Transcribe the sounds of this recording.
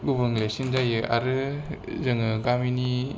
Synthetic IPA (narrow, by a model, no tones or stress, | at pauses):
ɡubɯŋlesinzajɯʔa̰ɾɯ | zɯŋɯɡamini